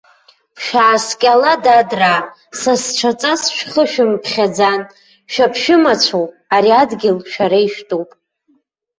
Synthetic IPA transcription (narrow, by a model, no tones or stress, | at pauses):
pʰʃᶣaːskʲʼaladadra | sast͡ʃʷʰat͡sʼasʃᶣχəʃᶣɪmpʰχʲad͡zan | ʃᶣapʰʃɪmat͡ɕʷʰowpʼ | aɾiadɡʲɪlʃᶣaɾaiʃtʼopʼ